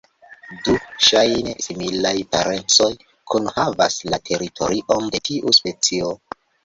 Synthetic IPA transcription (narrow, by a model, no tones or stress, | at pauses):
duʃajnesimilajpaɾʔe̞nt͡so̞j | kʰunhava̰slatʰe̞ɾitʰoɾiʔo̞nde̞tʰiʔuspe̞t͡sio̞